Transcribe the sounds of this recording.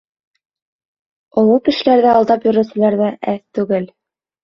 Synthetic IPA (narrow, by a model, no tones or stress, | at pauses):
ŏlˠukɘ̆ʃɘ̆læɾðɘɑlˠd̪ɑpjɵ̆ɾɘ̆wsɘ̆læɾðæʔæθt̪ʉɡɘl